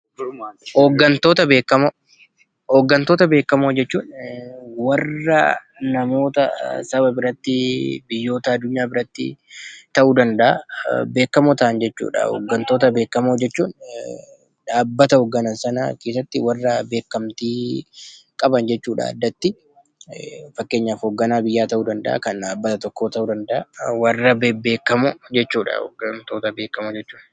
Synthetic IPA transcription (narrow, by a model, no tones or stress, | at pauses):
hɔɡːɐnt̪o̞ːt̪ɐbeːkːɐmo | oːɡːɐnt̪o̞ːt̪ɐbe̞ːkːɐmoːd͡ʒɛt͡ʃːuːn | wɐrːɐ̰ | nɐmo̞ːt̪ɐ̰sɐbɐbɪɾɐt̪ːɪbɪjːo̞ːt̪ɐɐd̪ːʊɲːaːbɪɾɐt̪ːɪ̰t̪ɐʔuːd̪ɐnd̪ɐʔɐ̰be̞ːkːɐmoːt̪ɐʔɐnd͡ʒɛt͡ʃːṵːᶑɐ̰hɔ̰ɡːɐnt̪o̞ːt̪ɐbe̞ːkːɐmoːd͡ʒɛt͡ʃːuːn | ᶑaːbːɐt̪ɐhɔɡːɐnɐnsɐnɐkeːs̬ɐt̪ːɪwɐrːɐbe̞ːkːɐmt̪iː | kʼɐbɐnd͡ʒɛt͡ʃːuːᶑa̰ːd̪ːɐt̪ːɪ | fɐkːe̞ːɲːaːfoːɡːɐnaːbɪjːaːt̪ɐʔuːd̪ɐnd̪ɐ̰ʔa̰kɐnᶑaːbːɐt̪ɐt̪ɔkːoːt̪ɐʔuːd̪ɐnd̪ɐʔa̰wɐrːɐbebe̞ːkːɐmod͡ʒɛt͡ʃːuːᶑɐ̰ɔ̰ɡɐnt̪o̞ːt̪ɐbe̞ːkːɐmod͡ʒɛt͡ʃːuːn